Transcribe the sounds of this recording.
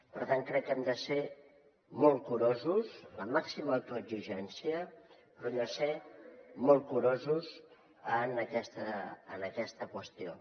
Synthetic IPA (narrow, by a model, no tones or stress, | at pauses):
pəɾt̪aŋkɾɛkːɛmd̪əse | mɔlˠkuɾozuzləmaksimət̪uəziʒɛnsiəpɾɔɛmd̪əsemɔlˠt̪̚kuɾozuz | ənəkɛst̪əənəkɛst̪əkwəst̪io̰